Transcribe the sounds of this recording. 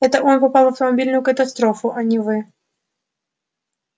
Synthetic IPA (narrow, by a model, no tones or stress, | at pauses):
ɛt̪ɐʔɔnpɔpalˠɐwt̪ɔmɔbʲilʲnʊjʊkɐt̪ast̪ɾɔfuʔanʲɛvɨ